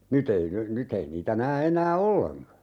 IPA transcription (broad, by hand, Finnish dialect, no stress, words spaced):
nyt ei ny nyt ei niːtæ næː enæː olːeŋkɑ